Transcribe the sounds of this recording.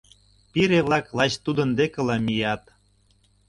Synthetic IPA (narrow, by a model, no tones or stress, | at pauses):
piɾeβlɑklɑt͡ɕt̪ud̪ə̆nd̪ekə̆lɑmijɑt̪